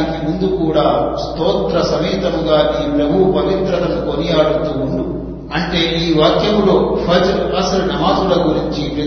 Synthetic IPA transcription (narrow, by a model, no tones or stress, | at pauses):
nikimund̪ukuːɽaːst̪ɔːt̪ɾɐsɐmiːt̪ɐmuɡaːniːpɾɐbʱupɐʋit̪ɾɐlɐmukonijaːɽut̪uːuɳɖu | ɐɳʈe̞ːiːʋaːkjɐmuloːpʰɐd͡ʒɾɐsɐlunɐmaːdulɐɡuɾiɲt͡ʃipɾɐ